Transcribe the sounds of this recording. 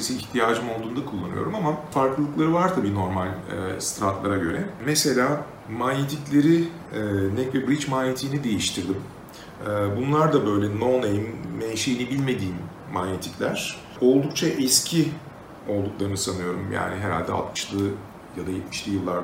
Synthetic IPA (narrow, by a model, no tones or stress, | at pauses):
isiːçt̪ʰijaːd͡ʒɯmo̞lˠd̪uːnd̪akʰulˠːanɯ̰jo̞̰ɾumamafaɾklˠɯlˠɯklˠaɾɯvaɾt̪ʰabiːno̞ɾmalʲɛ̰st̪ɾat̪lˠaɾaɟø̞ɾɛmɛse̞lʲaː | manjet̪ʰiclʲe̞ɾi | nɛcvɛbɾit͡ʃmanjet̪ʰiːnid̪e̞jiʃt̪ʰiɾd̪im | ɛbunlˠaɾd̪abø̞jlʲɛnonejmmɛʃejinibilʲme̞d̪iːmː | anjet̪ʰi̥clʲæɾ̝̥ | o̞lˠd̪uk̚t͡ʃʰaʔɛscʰi | o̞lˠd̪uklˠaɾɯnɯsanɯjo̞ɾumja̰ːniɦeɾa̰lʲd̪ɛ̰lt̪mɯ̥ʃlˠɯ | jad̪ajɛt̪miʃlʲijɯlˠːaɾ